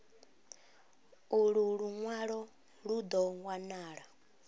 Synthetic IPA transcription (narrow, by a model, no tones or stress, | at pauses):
uɺuɺuŋwaɺɔ | ɺud̪ɔwanaːɺa